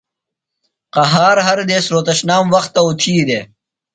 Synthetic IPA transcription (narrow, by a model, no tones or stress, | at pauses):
qɐɦaːɾɦɐɾd̪eːsɾoːt̪ɐɕnaːmwɐxt̪ːɐut̪ʰiːd̪eː